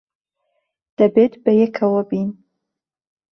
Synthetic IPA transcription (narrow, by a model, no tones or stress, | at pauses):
d̪̥əbet̪bajekʰawəbin